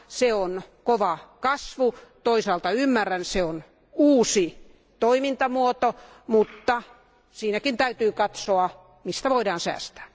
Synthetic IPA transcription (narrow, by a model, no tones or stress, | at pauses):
seonkoʋɑkɑsʋut̪oisɑːlt̪ɑymːærænseon | uːsi | t̪oimint̪ɑmuot̪o | mut̪ːɑ | siːnækint̪æyt̪yːkɑt̪soɑ | mist̪æʋoidɑːnsæ̰ːst̪æ̥ː